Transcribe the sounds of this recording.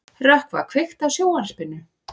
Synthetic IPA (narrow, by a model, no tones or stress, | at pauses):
rahkva̰kʰv̥ext̪awsjoːwanspɪnːʏ